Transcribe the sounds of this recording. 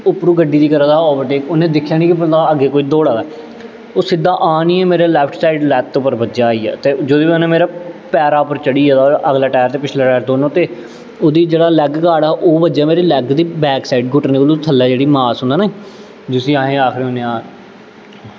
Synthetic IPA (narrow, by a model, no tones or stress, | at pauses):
ʊpɾuːɡəɖiːd̪iːkəɾãd̪aːɔːbəʈeːkʊnẽːd̪ɪkʰːjaːnĩːkɪbəd̪aːəɡeːkoːiːd̪oːɽaːdaː | oːsɪd̪aːʔaːniːɛːmeːɾeːlɛːpʰʈʰsaːɪɖlɛːkt̪ːopəɾbətːd͡ʒaːiːa̰ːt̪eːd͡ʒod̪oːioːnẽːmeːɾaːpɛːɾaːʊpəɾt͡ʃəɽiːɛːt̪aʔəɡlaːʈɛːɾt̪eːpɪt͡ʃʰleːʈɛːɾd̪oːnõːt̪eː | oːd̪iːd͡ʒeːɽaːlɛɡkaːɽaːʔoːbəd͡ʒaːmeːɾeːlɛːɡd̪iːbɛːksaiɖɡʊʈnẽːəlũːt̪ʰəlːaːd͡ʒeːɽiːmaːsɦʊnd̪aːna | d͡ʒʊsĩːaːɦẽːaːkʰɾeːoːnẽːaːɾ